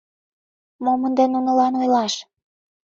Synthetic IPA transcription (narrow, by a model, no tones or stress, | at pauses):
momənd̪enːunə̆lɑnojlɑʃ